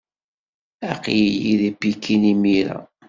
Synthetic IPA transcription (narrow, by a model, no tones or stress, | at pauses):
æqjjiðibikʰːinimiɾæ̰